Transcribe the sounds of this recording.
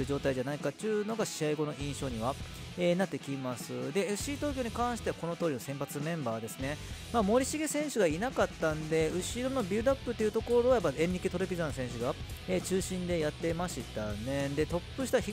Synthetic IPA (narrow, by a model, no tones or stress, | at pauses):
ɯʑo̞ːt̪aid͡ʑanaikat͡ɕɨːno̞ɡaɕiaiɡo̞no̞ʔĩɰ̃ɕo̞ːɲ̟iβa | enat̪ːe̞kʲimasɨd̪e̞e̥ɕiːt̪o̞ːkʲo̞ːɲ̟ikãɰ̃ɕi̥t̪e̞βḁko̞no̞t̪o̞ːɾʲino̞sẽ̞mpat͡sɨmẽ̞mbaːd̪e̞sɨne̞maːmo̞ɾʲiɕiɡe̞sẽ̞ɰ̃ɕɨɡainakat̪ːãnd̪e̞ɯ̟ɕiɾo̞no̞bʲiːd̪apːɯ̟t̪ːe̞iɯ̟t̪o̞ko̞ɾojapːaẽ̞nɾʲikit̪o̞ɾepʲizãnsẽ̞ɰ̃ɕ̬ɨɡaet͡ɕɨːɕĩnd̪e̞jat̪ːe̞maɕit̪ane̞d̪e̞t̪o̞pːɯɕi̥t̪açi